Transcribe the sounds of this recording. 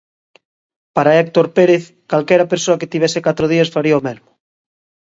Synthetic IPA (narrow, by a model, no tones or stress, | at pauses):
paɾaek̚t̪oɾpeɾeθ | kalkɛɾapeɾsoaket̪iβ̞esekat̪ɾoð̞iasfaɾiaomelmo